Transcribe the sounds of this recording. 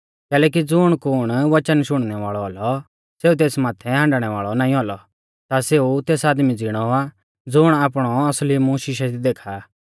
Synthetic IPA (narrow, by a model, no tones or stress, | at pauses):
kɛːlɛːk̬id͡zʊɽ̃kʊːɽ̃ʋɐt͡ʃənʃʊɽ̃nɛʋaːɭɔɦɔlɔ | seːut̪̬eːsmaːt̪ʰɛɦãːɳɖɽ̃ɛʋaːɭɔnãːĩɦɔlɔ | t̪aseːut̪eːsaːd̪mid͡zɪɽ̃ɔa | d͡zʊɽ̃aːpɽ̃ɔɐslimũʃɪʃɛid̪eːkʰa